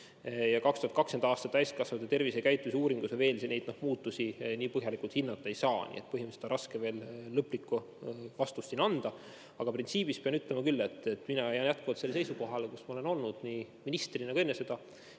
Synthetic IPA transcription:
jɑkɑkst̪uhɑt̪kɑkse̞nd̪ɑɑːst̪ɑt̪ˑːæjsʲt̪̚kɑsvɑt̪ːet̪e̞rvisekæjt̪ːˑiseuːɾiŋɡ̥useve̞ːlsnejd̪̥nohmuːt̪ːusiniːpɤɦjɑlikˑult̪hinːɑt̪ːˑɑejsɑːnḭet̪̚ːpɤɦiməset̪ɑɾɑskeve̞ːlːɤpːlikːˑu | vɑst̪usːinɑnd̪̥ɑ | ɑɡ̥ɑprint̪siːb̥ispeɑnyt̪ːˑlemɑkylːe̞t̪ːˑet̪ːˑminɑjæːnjæt̪̚kuvɑlt̪selːese̞jsuko̞ɦɑlekusmɑole̞no̞lnud̪̥niː | minist̪rinɑɡ̥ue̞nːese̞d̪̥ɑ

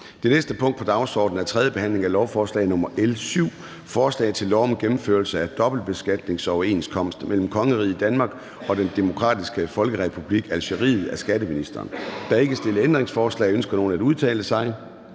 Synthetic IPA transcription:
d̥e̝nesd̥əpʰɔ̽ŋ̰d̥pʰɒ̽d̥ɑ̈ʊsɒ̰ːd̥n̩æɐt͡sʰʁɛðˠjəb̥e̝hæn̰le̝ŋælɒʊfɒːslɛ̰ɪnɔ̽mɐʔelsyʊ̰ | fɒːslɛ̰ɪðˠt͡sʰe̝lːɒʊmɡ̥emm̩føɐlsəæd̥ɒ̽b̥l̩d̥̚b̥e̝sɡ̥æd̥ne̝ŋsɒʊe̝nskʰɒ̽m̰sd̥mel̰m̩kʰɒ̽ŋəʁḭːid̥ænmɑ̈ːɡ̥ | ɒ̽d̥end̥e̝mo̝kʰʁɑ̰̈ːd̥isɡ̥əfɒ̽lɡ̥əʁɛpʰub̥liɡ̥ælɕəʁḭːð̞̩ˠæsɡ̥æɾəminisd̥ɐ̰ːnd̥ɑ̈e̝ɡ̥əsd̥e̝ləend̥ʁeŋsfɒːslɛ̰ːɪønsɡ̥ɐno̝ːn̩æd̥uð̞ˠt͡sʰɛ̰ːləsɑ̈ɪ

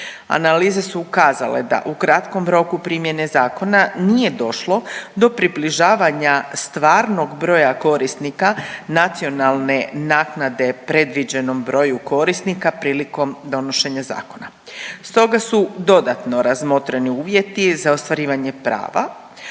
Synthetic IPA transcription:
a̰naliːze̞suːkaːza̰lḛd̪a̰ʔukɾat̪ko̞mɾo̞kupɾimje̞ne̞zaːko̞nanije̞d̪o̞ʃlo̞d̪o̞pɾibliʒaːʋaɲast̪ʋaːɾno̞ɡbɾo̞ːjako̞ɾisnikanat̪sio̞nalˠne̞naːknad̪e̞pɾe̞d̪ʋid͡ʑe̞no̞mbɾo̞juko̞ɾisnikapɾiːliko̞md̪o̞no̞ʃe̞ɲaza̰ːko̞na̰ | st̪o̞ɡasud̪o̞d̪at̪no̞ɾazmo̞t̪ɾeniuːʋje̞t̪izaost̪ʋaɾiːʋaɲe̞pɾa̰ːʋa̰

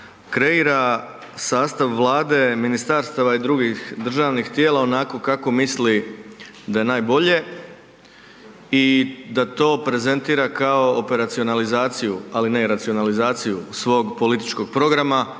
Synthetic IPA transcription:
kɾe̞iɾa | saːst̪aʋːlˠaːd̪e̞minist̪aɾst̪aʋaid̪ɾuɡixd̪r̩ʒaːʋnixt̪je̞ːlˠao̞nako̞kako̞misli | d̪aje̞naːjbo̞ʎe̞ | id̪at̪o̞ːpɾe̞ze̞nt̪iːɾakao̞ope̞ɾat̪sio̞nalizaːt̪sijualine̞ɾat̪sio̞nalizaːt̪sijusʋo̞ːɡpo̞lit̪it͡ʃko̞ɡ̥̚pɾo̞ɡɾama

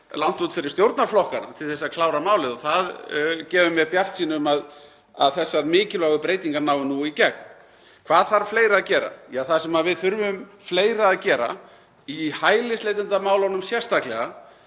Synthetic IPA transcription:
lan̥t̪ut̪fɪɾɪ̥st̪jowɾt̪naɾ̥flɔhkaɾa̰t̪ʰɪlθɛsːaðkʰlaːwɾamaːwlɪðɔθaðcɛːvʏmjɛpjar̥t̪siːnʏmað | a̰ðθɛsːaɾmɪːcɪlœːɣʏpɾeːjt̪iŋkaɾnawvɪnuicɛk̚n | kʰvaːðθaɾfleːjɾaacɛːɾa̰jaθasɛmavɪðθʏɾvʏʏm | fleːjɾaːðcɛːɾa̰ | ihaːjlɪslejt̪ɪnt̪amaːwlɔnʏmsjɛr̥st̪aklɛɣa

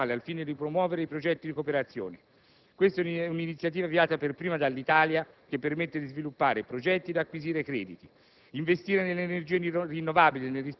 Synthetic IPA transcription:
aːlealfiːned̪ipɾomwɔːveɾeipɾod͡ʒɛt̪ːid̪ikopeɾat̪sːjo̰ːne | kwest̪ɛuninit̪sjat̪iːvaviaːt̪aperpɾiːmad̪alːit̪aːlja | k̟epːermet̪ːed̪izvilupːaːɾepɾod͡ʒɛt̪ːid̪akːwiziːɾekɾɛːd̪it̪i | iɱvest̪iːɾenelːeerd͡ʒiːerinːovaːbilinelris

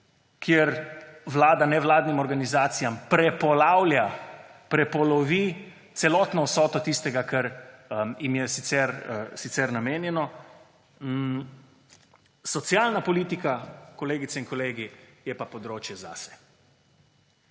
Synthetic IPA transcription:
kʰjeɾʋlaːd̪anɛʋlaːd̪nimɔɾɡanizaːt̪sijampɾɛpɔlawljapɾɛpɔlɔʋi | t̪sɛlɔt̪nɔwsɔːt̪ɔt̪ist̪ɛɡakɛɾ | jimjɛsit̪sɛɾsit̪sɛɾnameːnjɛnɔ | sɔt̪sjaːlnapɔliːt̪ikakɔleːɡit̪sɛiŋkɔleːɡijɛpapɔd̪ɾoːt͡ʃjɛza̰sɛ̥

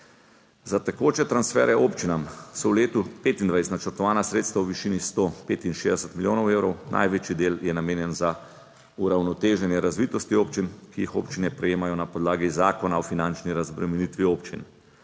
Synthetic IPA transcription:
zat̪ɛkoːt͡ʃɛt̪ɾansfɛːɾɛoːpt͡ʃinamsɔwleːt̪upeːt̪ind̪ʋajst̪nat͡ʃəɾt̪ɔʋaːnasɾet̪st̪ʋawʋiʃinist̪opeːt̪inʃeːd̪ɛsɛt̪miljoːnɔwewɾɔwnʔa̰jʋeːt͡ʃid̪eːljɛnameːnjɛnza | uɾawnɔt̪eːʒɛnjɛɾazʋit̪ɔst̪ioːpt͡ʃinkiixo̰ːpt͡ʃinɛpɾɛjeːmajɔnapɔd̪laːɡizaːkɔnaɔfinant͡ʃniɾazbɾɛmɛnit̪ʋioːpt͡ʃḭn

